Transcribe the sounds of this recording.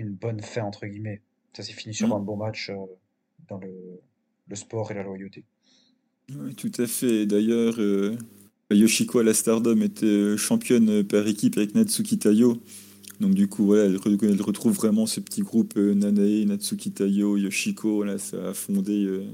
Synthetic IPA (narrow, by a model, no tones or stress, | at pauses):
ynbɔnfɛ̃ɑ̃t̪χəɡʲimɛ | sasɛfinisyʁɛ̃bɔ̃mat͡ʃø | d̪ɑ̃lə | ləspɔːʁelalwajot̪e | wɛt̪ut̪ʰafɛːd̪ajœːʁø | ajɔʃikʰoalast̪aʁd̪ɔmet̪ʰɛøʃɑ̃pjɔnøpaʁekʲipavɛknad̪sukʲit̪ajo | d̪ɔ̃k̚d̪ykʰuvwalaɛlʁəkɛlʁət̪χuvːʁɛmɑ̃səpə̥t̪ʰiɡʁupʰønanaenad̪sukʲit̪ajojɔʃikʰõlasa̰ːfɔ̃d̪eø